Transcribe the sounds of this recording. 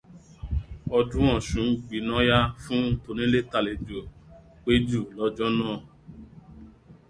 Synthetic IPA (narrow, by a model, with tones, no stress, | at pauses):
ɔ˧dũ˦ɔ̃˦˨ʃũ˨˦ɡ͡bi˨nã˨˦ja˦fũ˦to˧nĩ˦le˦ta˦˨le˨d͡ʒu˨ | k͡pe˦d͡ʒu˦˨lɔ˦d͡ʒɔ˦nãː˦˨